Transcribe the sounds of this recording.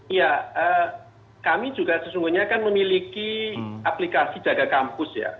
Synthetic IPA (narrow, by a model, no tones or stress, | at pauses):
ijaə | kami̥d͡ʒuɡasəsuŋɡuɲakanməmilikiʔaplikasid̥d͡ʒ̥aɡakampʊsja̰